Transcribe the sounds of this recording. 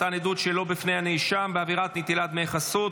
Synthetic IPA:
tanedut̪ʃelo̞bifne̞jhaneiʃʃambeaviʁat̪nit̪ilat̪meːχasut

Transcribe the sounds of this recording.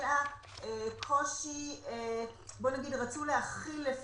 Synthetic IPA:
a | ekʰoʃiebo̞naɡidʁat͡sulehaχilːef

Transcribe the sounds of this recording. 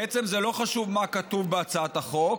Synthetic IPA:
et͡se̞mzelo̞χaʃuvmakatuvbeat͡saat̪aχo̞k

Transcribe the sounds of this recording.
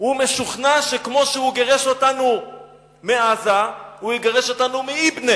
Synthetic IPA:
hume̞ʃuχnaʃekmo̞ʃehuɡeʁeʃo̞tanu | meazahujiɡaʁeʃo̞tanumiibne

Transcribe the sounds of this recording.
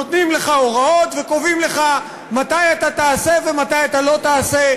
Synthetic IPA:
ot̪nimle̞χao̞ʁao̞t̪ve̞ko̞vimle̞χa | mat̪ajat̪at̪aːse̞ve̞mat̪ajat̪alo̞t̪aːse

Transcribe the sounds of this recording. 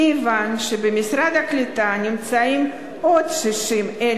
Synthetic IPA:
ivanʃebemisɾad̪aklit̪anʲimt͡saim | od̪ʃiʃime

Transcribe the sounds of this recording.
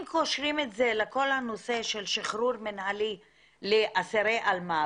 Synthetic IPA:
mkoʃɾimetzeleko̞lhanoseʃelʃiχɾuɾmenhali | leʔaseɾeʔalma

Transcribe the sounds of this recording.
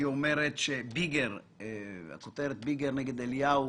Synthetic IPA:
iomeɾet̪ʃebiɡeɾ | a̰kot̪eɾet̪̚biɡeɾneɡed̪elja

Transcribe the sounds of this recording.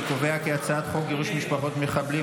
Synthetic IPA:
kove̞akeat͡saat̪χokjeʁuʃmiʃpaχo̞t̪meχabli

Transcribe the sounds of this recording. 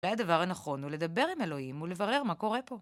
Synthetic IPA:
lajad̪avaʁhanaχo̞nule̞d̪abe̞ʁime̞lo̞himule̞vaʁe̞ʁmako̞ʁe̞po̞

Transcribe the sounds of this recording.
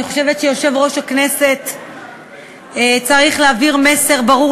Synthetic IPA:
iχo̞ʃe̞vetʃejo̞ʃe̞vʁo̞ʃhakne̞se̞t̪ | t͡saʁiχleaviʁme̞se̞ʁbaʁu

